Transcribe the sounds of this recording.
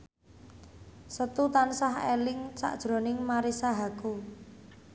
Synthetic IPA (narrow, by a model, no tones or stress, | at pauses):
sət̪ut̪ansaɦelɪŋsa̰ʔd̥ʒ̥ɾo̤nɪŋmaɾisaɦaku